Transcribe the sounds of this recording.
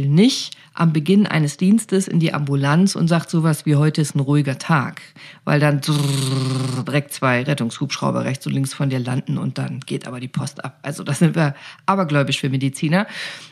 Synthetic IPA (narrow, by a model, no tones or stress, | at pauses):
lnɪçt | ʔa̰mbəɡɪnʔa̰ɪnəsd̥iːnstəsɪ̰ndiːʔa̰mbulant͡sʊ̰ntz̥aːktz̥oːvasv̥iːɦɔʏtəɪstn̩ʁuɪɡɐtʰa̰ːkva̰ɪldand | d̥iʁɛk̚tt͡sv̥aɪʁɛtʊŋshuːpʃʁ̥a̰ʊbɐ̰ʁɛçt͡sʊn̩tlɪŋsfɔndiːɐla̰ndn̩ʊ̰nt̚d̥a̰nɡ̥eːtʔa̰ːbɐdiːpʰɔstʔa̰pʔa̰lzod̥aːz̥ɪntv̥iːɐʔaːbɐɡlɔʏbɪçfyːɐmedit͡siːnɐ